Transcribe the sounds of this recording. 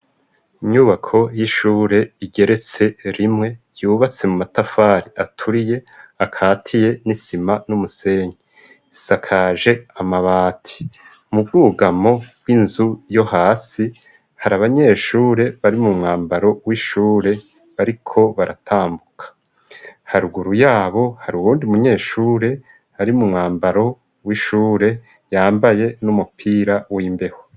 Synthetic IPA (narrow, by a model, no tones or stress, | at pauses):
iɲuβakʰo̞jiʃuːɾe̞iɡe̞ɾe̞t͡se̞ɾimŋe̞ | juːβat͡se̞mumatafaːɾiatʰuɾije̞ | akʰaːtʰije̞nisimanumuse̞ːɲii | isakʰaːʒe̞amaβaːtʰi̥ | mubɡuːɡamo̞bwinzujo̞haːsi | haɾaβaɲe̞ːʃuːɾe̞βaɾimumŋaːmbaɾo̞wiːʃuːɾe̞ | βaɾikʰo̞βaɾʔa̰tʰaːmbukʰḁ | haɾuɡuɾujaːβo̞haɾuwuːndiumuɲe̞ːʃuːɾe̞ | haɾimumŋaːmbaɾo̞ | wiʃuːɾe̞ | jaːmbaje̞numupʰiːɾawiːmbe̞ho